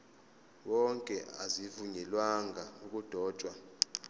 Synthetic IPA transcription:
wɔŋkʼɛazivuɲɛlwaŋʱauk̬ʼud̥ʱɔːt͡ʃʼwa

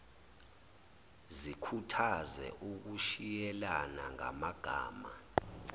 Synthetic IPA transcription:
zikʰutʰazɛ̰ʔuk̬uʃijɛlana̰ŋa̰maɡ̥ʱa̰ːma

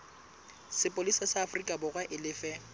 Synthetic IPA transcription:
sɪpʼolisasaːfrikʼabʊɣwaʔɪlɪfɛ

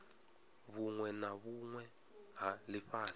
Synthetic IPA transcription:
βuŋwɛnaβuŋwɛ | ɦalɪɸaːs

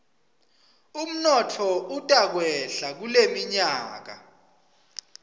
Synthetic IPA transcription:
um̩nɔtʰɔutʼak̬wɛɬak̬ulemiɲaːk̬a̰

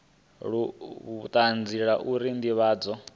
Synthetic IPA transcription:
ɺuβut̪ʼand͡ziɺaʔuɾind̪iβaːd͡zɔ

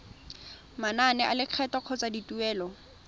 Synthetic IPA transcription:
mananɛʔalɪq͡χʰɛtɔq͡χʰɔt͡saditʼuɛːlɔ

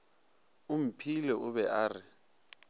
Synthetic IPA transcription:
um̩pʰilɛuβɛʔaːri

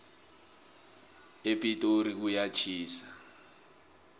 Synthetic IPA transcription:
epʼitʼɔuɾik̬ujat͡ʃʰiːsḁ

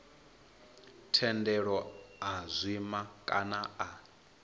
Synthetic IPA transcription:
tʰɛndɛɺɔazʷimakʼanaʔa

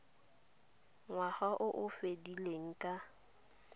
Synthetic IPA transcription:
ŋwaχaʔʊʔʊfedileŋ̩kʼa

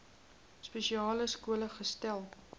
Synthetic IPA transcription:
speʃiɑːləskuələχəstælˠ

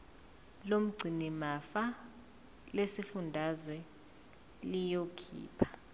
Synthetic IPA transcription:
lom̩ɡ͡ǀʱinimafa | lesifundʱazwɛ | lijokʰḭːpʰḁ

